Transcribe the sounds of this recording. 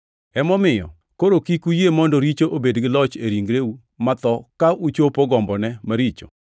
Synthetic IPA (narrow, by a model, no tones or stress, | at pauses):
ɛmɔmɪjɔ̰ | koɾokikujemɔndɔɾit͡ʃoʔobedɡɪlɔt͡ʃeɾiŋɡɾeu | mat̪ɔkaʔut͡ʃopoɡɔmbɔnɛmaɾit͡ʃo̰